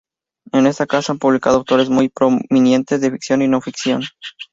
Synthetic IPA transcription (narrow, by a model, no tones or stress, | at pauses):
e̞ne̞st̪akasaampuβlikað̞o̞awt̪o̞ɾe̞zmujpɾominjẽ̞nt̪e̞zðefiksjo̞nino̞fiksjo̞n